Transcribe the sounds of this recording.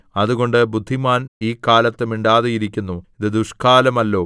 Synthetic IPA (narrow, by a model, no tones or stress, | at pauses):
ɐðuɣo̞ɳɖɨbud̪ʱːimaːniːkaːlɐt̪ːumiɳɖaːðejiɾikʲːunːuiðɨd̪uʂkaːlɐmɐlːo̞ː